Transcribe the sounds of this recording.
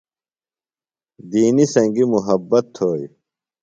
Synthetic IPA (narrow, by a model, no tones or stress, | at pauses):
d̪iːnisɐ̃ŋɡimuɦɐbːɐt̪ʰːoːj